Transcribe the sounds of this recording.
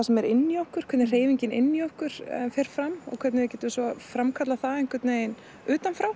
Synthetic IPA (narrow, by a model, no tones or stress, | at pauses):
asɛmɛɾɪnːiowhkʏɾ̥kʰvɛt̪ɪr̥eːjviɲcɪnɪ̰nːiohkʏɾ̥fɪɾ̥fɾamɔ̰ɣkʰvɛt̪nɪvɪcɛːt̪ʏsvɔfɾamkʰat̪laθaejŋ̥kʏt̪neːjɪn | ʏːt̪anfɾaw